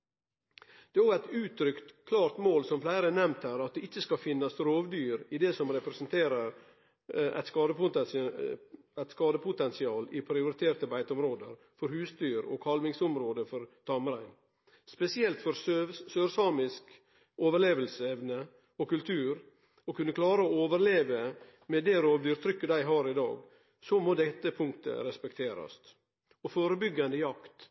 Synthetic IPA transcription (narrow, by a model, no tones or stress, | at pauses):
d̪̥ɛːɔɡæt̪ʉːt̪ʰɾʏkt̪kʰlɑːɾt̪moːlsɔmflæɪɾənɛmt̪æɾɑt̪̚d̪ɛɪt͡ʃːəskɑfɪnːɑsɾoːʋd̪yːɾɪd̪ɛsɔmɾɛpɾɛsənt̪ʰeːɾəɾ | æ̰ɪt̪skɑːd̪əpʊ | æɪt̪skɑːd̪əpʰʊt̪ɛnsɪɑːlɪpʰɾɪʊɾɪt̪ʰeːɾʈ̪əbæɪt̪ɔmɾoːd̪əɾ | fɔɾhʉːst̪yːɾɔ̰ːkʰhɑlʋɪŋsɔmɾoːd̪əfɔɾt̪ʰɑmɾæɪn | spɛsɪɛlt̪fɔɾssøːɾsɑːmɪsk | oːʋəɭeːʋəlsəɛʋnə | ɔkʉlt̪ʰʉːɾ | ɔkʰʉnːəkʰlɑːɾəooːʋəɾleːʋə | mɛd̪ɛːɾoːʋd̪yːɾt̪ʰɾʏkːəd̪æɪɦɑːɾɪd̪ɑ̰ːɡ | sɔmoːd̪ɛt̪ːəpʰʊŋkt̪ə̰ɾɛspɛkt̪ʰeːɾɑ̰st̪ | ɔfoːɾəbʏɡːɑnd̪əjɑkt̪